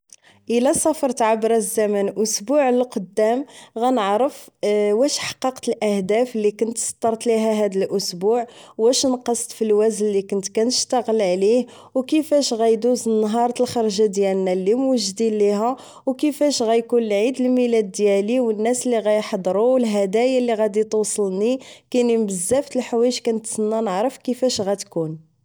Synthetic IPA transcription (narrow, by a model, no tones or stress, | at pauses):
ʔəlæsˤɑfɾˤt̪ʕabɾˤɑzæmænʔʊsbuʕləlqod̪ːæmɣænəʕɾəfwæʃħɑ̥qːɑqt̪əlʔæhd̪æflikʊnt̪sˤt̪ːɑɾˤt̪liɦæɦæd̪əlʔʊsbuʕwæʃnqɑsˤt̪ˤfilwæzənːikʊnt̪kænəʃt̪ɑɣəlʕlih | wkəfæʃɣæjd̪uzənːɦɑɾˤt̪əlxɑɾˤʒad̪jælnːælːimwəʒd̪illiɦæ | wkəfæʃɣæjkunlʕid̪əlmilæd̪ːjæliwənːæsəlːiɣæjħɑd̪ˤɾuwəlɦæd̪æjalːiɣæd̪it̪usˤəlnikænimbəzːæft̪əlħwæjəʒkænət̪sənːænəʕɾəfkəfæʃɣæt̪kun